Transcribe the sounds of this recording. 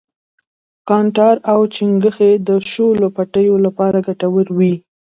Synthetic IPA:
kɑɳʈɑɾawt͡ʃiŋɡəxed̪əʃolopaʈəjolapɑɾaɡaʈawəɾwi

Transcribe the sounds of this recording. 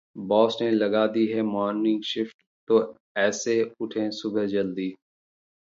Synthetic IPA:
bɔːsnelɐɡaːd̪iɦɛmɔːnːɪ̃ŋɡʃɪfʈ | t̪o | ɛːseʊʈʰẽsʊbəɦd͡ʒəld̪iː

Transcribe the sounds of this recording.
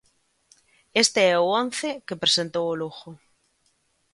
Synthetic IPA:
est̪ɪɛʊɔn̟θɪkepɾesent̪owʊluxʊ

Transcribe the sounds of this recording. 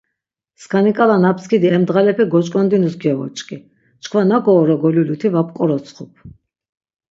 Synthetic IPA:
skʰanikʼalanap̚ʰskʰid̪iɛmd̪ʁalɛpʰɛɡɔt͡ʃʼkʼɔnd̪inusɡɛvɔ̰t͡ʃʼkʼi | t͡ʃkʰvanakɔːɾɔɡɔlulut̪ʰivap̚ʰʼqʼɔɾɔsʰχupʰ

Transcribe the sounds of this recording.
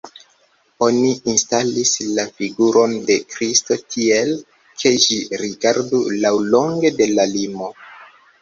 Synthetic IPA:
o̞niinstalislafiɡuɾo̞nde̞kɾisto̞tʰiel | kʰe̞d͡ʒiɾiɡaɾdulawlo̞ŋɡe̞de̞lalimo̞

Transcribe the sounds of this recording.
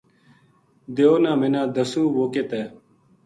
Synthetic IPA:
d̪eoːnãːmenãːd̪əsũːʋoːket̪eː

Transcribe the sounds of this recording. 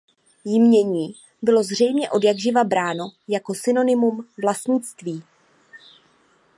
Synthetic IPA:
jɪmɲɛɲiː | bɪlo̞zr̝ɛjmɲɛʔo̞djaɡʒɪvabɾaːno̞jako̞sɪno̞nɪmumvlast̪ɲɪt͡st̪viː

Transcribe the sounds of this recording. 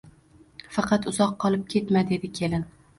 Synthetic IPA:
fɑqʰɑt̪ʊzɒqːɒlˠɪp̚kʲʰe̞t̪mad̪ed̪ɪkʲʰe̞lɪn

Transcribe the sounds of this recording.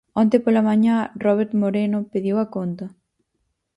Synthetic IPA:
ɔnt̪epolamaɲarɔβ̞eɾt̪moɾenopeðjiwɐkont̪ɐ

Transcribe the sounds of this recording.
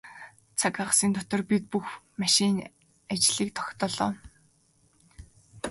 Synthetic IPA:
t͡sʰakaʁ̆siːnt̪ʰʊt̪ɞ̆rpit̪̚puxmaʃin | at͡ɕɮiːkt̪ʰɔ̥xʲt̪ɔːɮɔ̰ː

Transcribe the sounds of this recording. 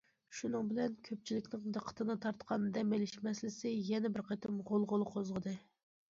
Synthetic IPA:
ʃunɨŋbɪlɛnkʲʰøp̚t͡ʃʰilɪkʲnɪŋd̪əqʰə̥t̪ʰɨnɨt̪ʰɑɾt̪qʰɑnd̪ɛmelɪʃmɛslɪsɪjɛnɛbɪɾqʰɑt̪ʰɨmʁolˠʁolˠqʰozʁəd̪ɨ

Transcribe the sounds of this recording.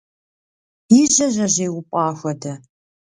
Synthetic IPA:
ɪʑɐʑɐʑeːwʊpʷʼɑːxʷɐdɐ

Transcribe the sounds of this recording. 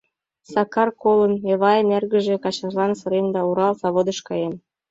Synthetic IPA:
sɑkɑrkoləneβɑjənerɣə̆ʒĕkɑt͡ɕɑʒlɑnsɤ̆ɾend̪ɑuɾɑlsɑβod̪əʃkɑjem

